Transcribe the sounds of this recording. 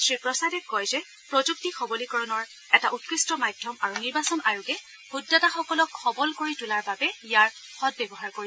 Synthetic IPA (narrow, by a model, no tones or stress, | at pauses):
sɹipɹɔsadɛkɔjzɛ | pɹɔzuk̚tixʰɔbɔlikɔɹɔnɔɹ | ɛtaʔutkɹistɔmadʱjɔmaɹuniɹbasɔnʔaɹukɛ | hudːataxɔkɔlɔkʰːɔbɔlkoɹitulaɹbabɛijaɹxɔt̚bɛbɔɦaɹkoɹib